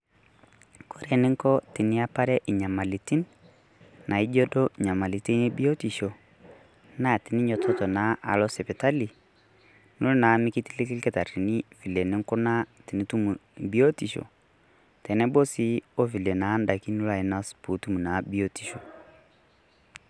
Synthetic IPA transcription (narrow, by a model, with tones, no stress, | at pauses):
kʰo˦ɾɛ˨nɪ˦ŋkɔ˦ti˨ni˦a˦pa˦ɾɛ˦ʔi˨ɲa˨ma˨li˨ti˦n | na˨i˦d͡ʒɔ˦dɔ˦˨ɲa˨ma˨li˨ti˦ni˦bi˦o˦ti˨ʃo˨ | na˦˨ti˨ni˦ɲɔ˨tʰɔ˦tɔ˨na˨˦ʔa̰˨lɔ˦sɛ˨pɛ˨ta˦li˨ | nu˦lna˨˦mi˦ki˦ti˦li˦ki˦kɛ˦ta˨ɾi˨ni˦fi˨lɛ˨nɪ˦ŋkɔ˦na˦ti˨ni˦tu˦mu˨bi˦o˦ti˨ʃo̰˨ | tɛ˨nɛ˦bo˦si˦o˦fi˨lɛ˨na˨˦nda˨ki˦nu˦la˨i˨na˦spu˨˦tu˦mu˨na˨˦bi˦o˦ti˨ʃo˨